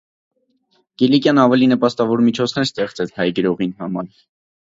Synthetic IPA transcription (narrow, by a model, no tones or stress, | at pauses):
ɡ̥ilikʲjɑnɑvɛlinəpɑst̪ɑvɔɾmit͡ʃʰɔt͡sʰnɛɾst̪ɛχt͡sɛt͡sʰhɑjɡəɾɔʁinhɑmɑɾ